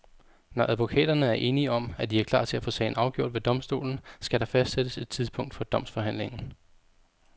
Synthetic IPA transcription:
nɒʔæðˠʋo̝kʰɛ̰ːd̥ɐnəæɐʔe̝ːniəɒ̽mæd̥iæɐkʰlɑ̰̈ːt͡sʰe̝læfɔ̰̽ːsɛ̰ɪn̩ɑ̈ʊɡ̥jo̝ɐ̰d̥ʋe̝d̥ɒ̽msd̥o̝̰ːln̩sɡ̥æɾ̥ɑ̈fæsd̥sed̥əse̝d̥t͡sʰiðˠspʰɔ̽ŋ̰d̥fɒ̽d̥ɒ̽m̰sfɒ̽ɦæn̰le̝ŋn̩

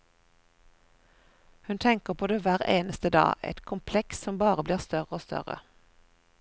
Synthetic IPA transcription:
hʉnt̪ʰɛŋkəʁpʰoːd̪eːʋæːʁḛːnəst̪əd̪ɑ̰ːʔɛ̰t̪kʰʊmpʰlɛkssɔmbɑːʁəbliːʁst̪œʁəoːst̪œ̰ʁə̰

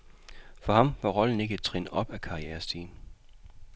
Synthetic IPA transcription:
fɒ̽hɑ̈mʋɑ̈ʁɒ̽ln̩e̝ɡ̥əd̥̚t͡sʰʁḛːnʔɒ̽b̥ækʰɑ̈ieːɐsd̥ḭːn

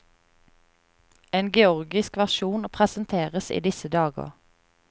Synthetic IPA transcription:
eːnɡɛɔʁɡɪskʋæʁʃuːnpʰʁɛsənt̪ʰeːʁəsḭːd̪ɪsəd̪ɑːɡə̰ʁ

